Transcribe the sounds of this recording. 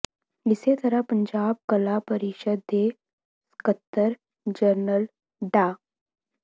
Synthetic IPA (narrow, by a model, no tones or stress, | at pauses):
ɪset̪ɐɾəpə̃ɲd͡ʒaːb̚kɐlapəɾɪʃəd̪e | skət̪ːəɾ | d͡ʒəɾnəl | ɖaː